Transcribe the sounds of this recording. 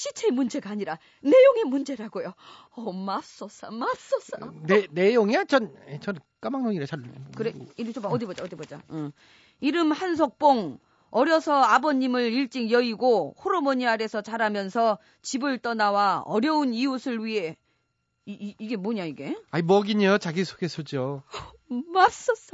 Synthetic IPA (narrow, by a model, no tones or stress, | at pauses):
ɕʰit͡ɕʰe̞mund͡ʑe̞ɡaːɲiɾa | ne̞joŋe̞mund͡ʑe̞ɾaɡojo | ʌmap̚s͈ʌsʌmas͈ʌs͈ʌnnejoŋat͡ɕʌnt͡ɕʌn | k͈amaŋnoɲiɾesʰaɭɯekɯɾeit͡ɕoʌdibod͡ʑaʌd̪ibod͡ʑa̰ɯ | iɾɯmhans̬ʰok̚p͈oŋ | ʌɾjʌsʰʌabʌɲimɯɾiɭt͡ɕ͈iŋjʌiɡohoɾomoɲiaɾe̞sʰʌt͡ɕaɾamjʌnsʰʌ | t͡ɕibɯɭt͈ʌnawaʌɾjʌuniusʰɯɭɥiɦe̞ | iːɡe̞moɲaiɡe̞aimʌɡiɲejot͡ɕaɡisʰo̥ɡesʰod͡ʑo | mas͈ʌs͈a